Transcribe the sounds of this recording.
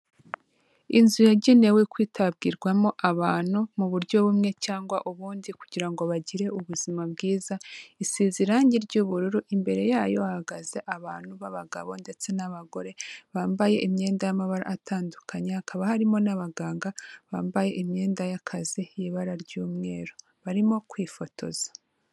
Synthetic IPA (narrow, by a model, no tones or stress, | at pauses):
inzujaɟine̞wekwiːtʰab̚ɡiɾɡwamo̞ʔaβaːn̥humuβuɾɟo̞βumŋe̞t͡ʃaːŋɡwaʔuβuːndikuɟiɾaŋɡo̞βaɟiɾe̞uβuzimab̚ɡiːzaisiziɾaːɲɟiɾɟuβuɾuɾuʔimbe̞ɾe̞jaːjo̞ahaɡaze̞ʔaβaːn̥huβaβaɡa̰βo̞nde̞t͡se̞naβaɡo̞ɾe̞βaːmbaje̞ʔimɲe̞ːndajamaβaɾa̰ːtʰaːndukʰaɲehakaβahaɾimo̞naβaɡaːŋɡaβaːmbaje̞ʔimɲe̞ːndajakʰazijiβaɾaɾɟuːmŋe̞ːɾo | βaɾimo̞kwiːfo̞tʰo̞̰z̥ḁ